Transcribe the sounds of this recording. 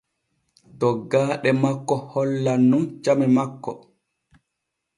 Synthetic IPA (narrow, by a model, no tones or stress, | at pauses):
tɔɡaːɗɛmakːɔhɔlːanːumt͡ʃamɛmakːɔ̰